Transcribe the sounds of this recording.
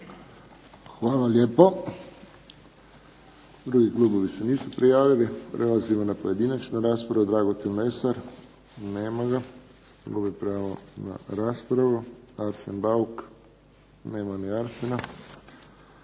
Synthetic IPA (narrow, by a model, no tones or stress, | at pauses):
xʋaːlalʲjeːpo | d̪ɾuɡiklˠuːboʋiseniːsupɾijaːʋilipɾʔelazimonapoje̞d̪inat͡ʃnaɾaːspɾaʋud̪ɾaːɡot̪ilmesaɾ | neːmaɡa | lubipɾaaʋona̰ɾaːspɾaʋuaɾsenbauk | neːmaniaɾsena